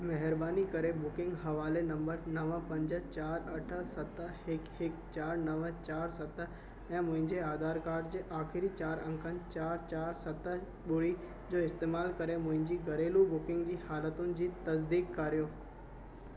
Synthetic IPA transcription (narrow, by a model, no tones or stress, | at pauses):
mɛɦəɾbaːnikɐɾebʊkɪ̃ŋɡɦɐʋaːlenɐ̃mbəɾnɐʋəpɐ̃ɲd͡ʑə̆t͡ɕaːɾɐʈʰəsɐt̪əhɪkhɪkt͡ɕaːɾnɐʋət͡ɕaːɾsɐt̪ | ɛ̃ːmʊ̃ɦɪ̃ɲd͡ʑeaːd̪aːɾkaːɾɖd͡ʑeːʔaːxɪɾit͡ɕaːɾə̃ŋkʰənɪ̆t͡ɕaːɾt͡ɕaːɾsɐt̪ə | ɓʊɽi | d͡ʑoːɪst̪eːmaːlkɐɾemʊ̃ɦɪ̃ɲd͡ʑiːɡɐɾeːlubʊkɪ̃ŋɡd͡ʑiːhaːlət̪ʊnɪ̆d͡ʑiːt̪ɐs̬d̪iːkːaːɾijoː